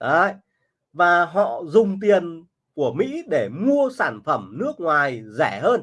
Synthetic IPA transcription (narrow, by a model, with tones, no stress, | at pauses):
ʔə˧˦j | vaː˨˩ɦɔ̰˧˨zʊ˨˩ŋ͡mt̪̬i˨˩ən | ku˧˩əmḭ˧˥ɗe˧˩mu˧əsaː˧˩nfə˧˩mnɨ˦˥ək̚ŋwaː˨˩jzɛ˧˩həː˧n